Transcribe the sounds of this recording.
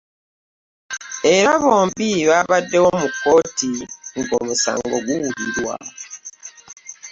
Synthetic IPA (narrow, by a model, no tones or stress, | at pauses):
e̞ɾaβoːmbiβaβadːe̞wo̞muko̞ːtiŋɡomusa̰ːŋŋɡo̞ɡwuɣuβḭɾwa̰